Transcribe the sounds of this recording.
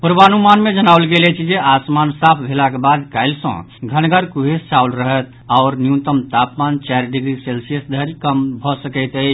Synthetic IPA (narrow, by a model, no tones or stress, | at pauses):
puɾbanumanmed͡ʒənaʊlɡelɛt͡ʃʰid͡ʒeʔasmansapʰbʱelakebad̪kaɪlsə̰̃ | ɡʱənɡəɾkuɦest͡ʃaulɾəɦət̪ | aʊɾnjũnt̪əmt̪apmant͡ʃaɾɖiɡɾiselsiəsd̪ʱəɾikəmbʱɔsəkəɪt̪ət͡ʃʰ